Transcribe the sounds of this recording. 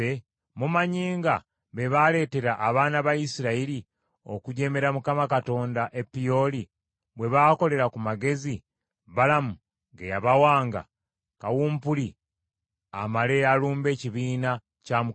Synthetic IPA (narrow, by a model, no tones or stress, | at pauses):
e | mumaɲiːŋɡa | βe̞βale̞ːte̞ɾaʔːβaːnaβajisiɾaiɾi | o̞̰kuɟe̞me̞ɾamukamakato̞ːndaʔe̞pːijo̞li | βwe̞βaːko̞le̞ɾakumaɡe̞zi | βalamu | ŋɡḛjaβawaːŋɡa̰ | kawuːmpuli | a̰male̞aluːmbe̞ːciβiːna | camu